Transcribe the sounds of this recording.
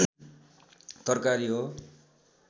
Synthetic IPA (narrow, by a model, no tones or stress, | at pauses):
t̪ʌrkaɾiɦo